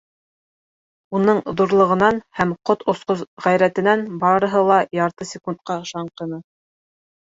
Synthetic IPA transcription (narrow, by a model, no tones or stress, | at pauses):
unɤɴðuɾlˠɤ̆ʁɤ̆nɑnhæmqot̪ŏsqozʁæjɾæt̪ɘ̆nænbɑɾɤ̆ɦɤlˠɑjɑɾt̪ɤsʲɪkunt̪̚qɑɤ̆ʃɑɴqɤ̆nɤ